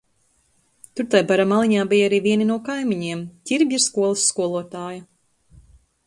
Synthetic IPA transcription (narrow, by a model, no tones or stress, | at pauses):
t̪uɾt̪ajbaɾamalˠiɲaːbijaɾiːviɛninuɔkajmiɲiɛmt̪ʲiɾbʲiɾskuɔlˠɨsːkuɔlˠuɔt̪aːjɐ